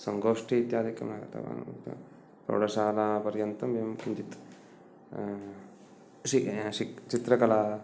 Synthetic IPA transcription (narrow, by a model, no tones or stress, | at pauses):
sɐŋɡoːʂʈiit̪jaːd̪ikːɐ̰maːɡɐt̪ɐ̰ʋa̰ːnt̪ | t̪o̰ːɽɐsaːlapɐɾjɐnt̪ɐmɐmɲt͡ʃit̪ | ʃiit͡ʃit̪ɾɐkɐlaː